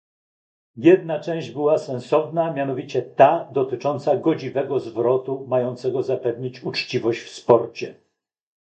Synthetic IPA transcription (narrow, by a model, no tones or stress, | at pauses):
jɛd̪nat͡ʂɛ̃w̃ʑd͡ʑbɘwasɛ̃ñsɔvnamʲjanɔvʲit͡ɕɛt̪ad̪ɔt̪ɘt͡ʂɔnt̪saɡɔd͡ʑivɛɡɔzvɾɔt̪umajɔnt̪sɛɡɔzapɛvɲit͡ɕut͡ʂt͡ɕivɔɕt͡ɕfspɔɾt͡ɕɛ